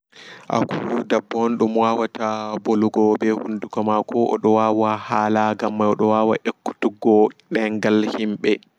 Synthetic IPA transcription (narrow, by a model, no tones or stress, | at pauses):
ʔa̰kʰuudabːɔnɗumwawataboluɡɔbɛhundukɔmakɔʔɔ̰ɗɔwawahaːlaɡamːajɔɗɔwawa̰ʔekːu̥tuɡɔɗɛŋɡalhimɓɛ